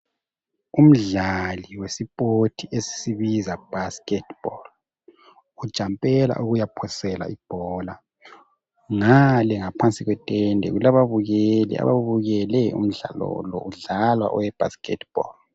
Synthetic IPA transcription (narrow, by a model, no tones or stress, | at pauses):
um̩ɮaliwesipʼotʰiesi̥siβizab̥ʱaskɛtʰb̥ɔl | ud̥ʒ̥ʱampʼɛla̰ʔuɣujapʰɔsɛla̰ib̥ʱɔla | ŋalɛŋapʰant͡sʼsʼiɣwɛtʼɛndʱɛ̰ɣulaβaβuɣɛlɛ̰a̰βa̰βuɣɛlɛṵm̩ɮa̰lɔ̰lɔ̰uɮalwa̰ʔɔwɛb̥ʱa̰skʼɛ̰tʰb̥ɔ̰l